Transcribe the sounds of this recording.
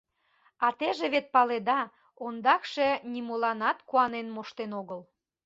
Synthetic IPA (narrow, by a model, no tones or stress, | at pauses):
ɑt̪eʒeβet̪̚pɑled̪ɑ | ond̪ɑkʃenʲimolɑnɑt̪kuɑnenmoʃt̪enoɣəl